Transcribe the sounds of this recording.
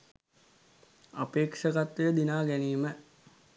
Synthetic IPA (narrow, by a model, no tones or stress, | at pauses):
a̰peːkʂəɡat̪ʋəjəd̪inaːɡæniːmə